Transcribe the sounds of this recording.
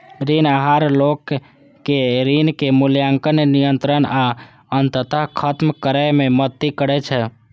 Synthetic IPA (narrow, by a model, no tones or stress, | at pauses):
ɾinaɦaɾlokː | eɾinkemuljaŋkənnijənt̪ɾəna | ənt̪ət̪aɦkʰət̪mkəɾəmemət̪ːikəɾɛt͡ʃʰɛ